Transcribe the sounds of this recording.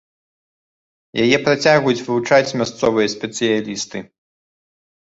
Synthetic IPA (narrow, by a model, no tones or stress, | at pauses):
jajɛpɾat͡sʲaɣujut͡sʲvɨvut͡ʂat͡sʲmʲast̪sɔvɨjɐsʲpʲɛt̪sɨjalʲist̪ɨ